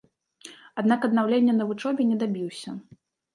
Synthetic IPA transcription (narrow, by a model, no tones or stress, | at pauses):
ad̪nakɐd̪nawlʲenʲːɛnɐvut͡ʂɔbʲɛnʲɛd̪abʲiwsʲɐ